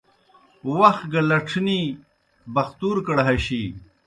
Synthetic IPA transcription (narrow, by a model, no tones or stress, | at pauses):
wɐx̚ɡɐlɐʈ͡ʂʰni | bɐxt̪uːɾkɐɽɦɐɕi